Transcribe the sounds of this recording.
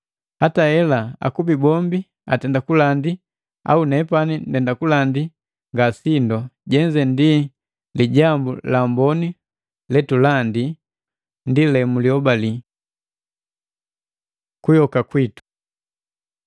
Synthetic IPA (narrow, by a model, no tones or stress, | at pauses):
hatahɛlaa̰kubibɔmbi | a̰tɛndakulandi | a̰unɛpanindɛndakulandi | ŋɡasindɔɟɛɲd͡ʒɛndi | liɟambulambɔni | lɛtulandi | ndilɛmuliɔbali | kujɔkakwitu̥